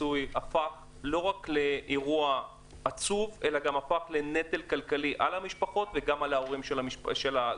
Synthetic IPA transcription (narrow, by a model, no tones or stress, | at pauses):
ujafaχ | lo̞ʁakle̞ʔeʁua | at͡suve̞laɡamafaχle̞ne̞t̪e̞lkalkaliʔa̰lhamiʃpaχo̞t̪veɡamalaoʁimʃeaʃʃela